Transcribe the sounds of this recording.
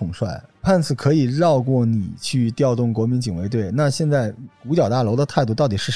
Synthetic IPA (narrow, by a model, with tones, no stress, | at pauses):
ʊ˨˩ŋʂwa˥˩ɪpʰa˥˩nt͡sʰɹ̩˨˩kʰɤ˧˥i˨˩ɻɑ˥˧ʊkwɔ˥˩ni˨˩t͡ɕʰy˥˧t̪jɑ˥˧ʊt̪ʊ˥˩ŋkwɔ˧˥mi˧˥nt͡ɕi˨˩ŋwe˧˥ɪt̪we˥˩ɪna˥˧ɕjɛ˥˧nt͡sa˥˩ɪku˧˥t͡ɕjɑ˨˩ʊt̪a˥˩lo˧˥ʊd̪ə˧t̪ʰa˥˧ɪt̪̬u˥˧t̪ɑ˥˩ʊt̪i˨˩ʂɻ̩˥˩